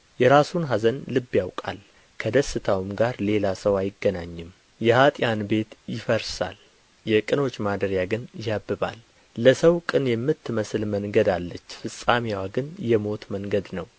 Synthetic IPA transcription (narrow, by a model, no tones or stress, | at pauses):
jɛɾasunɦazənlɨbːjawkʼa̰l | kʰəd̪əsɨt̪ʰawɨmɡaɾle̞lasəwajɪɡːənaɲːɨm | jɛhat̪ʼjanbe̞t̪jɪfəɾsa̰l | jɛkʼɨno̞t͡ʃːmad̪əɾjaɡɨnjabːɨβa̰lː | əsəwkʼɨnjɛmːɨt̪ːɨməsɨlməŋɡəd̪alːət͡ʃːfɨsʼamiwaɡɨnjɛmo̞t̪məŋɡəd̪nəw